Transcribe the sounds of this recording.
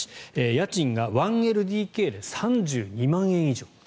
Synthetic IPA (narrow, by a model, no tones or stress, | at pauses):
ejat͡ɕĩŋɡaβãɰ̃e̞ɾɯ̟d̪ʲiːke̞ːɾesãɲd͡ʑɨːɲ̟imãɰ̃ẽ̞ɰ̃iʑo̞ː